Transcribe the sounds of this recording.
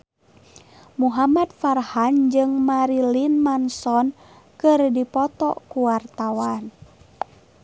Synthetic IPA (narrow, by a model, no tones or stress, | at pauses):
muɦamat̪̚farhand͡ʒɨŋmaɾilinmansɔn | kɨrdipɔt̪ɔ̰kuwart̪awan